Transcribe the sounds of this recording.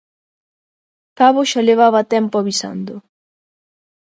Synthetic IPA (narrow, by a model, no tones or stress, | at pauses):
kaβoʃaleβ̞aβat̪ɛmpoaβisa̰nd̪ʊ